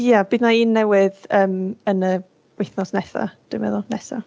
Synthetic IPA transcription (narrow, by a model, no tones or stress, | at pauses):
jab̥iːdnaiːnːɛwɪðəːmənə | wejθnɔsnɛθa̰d̥ɪmɛ̰ðʊnɛθa̰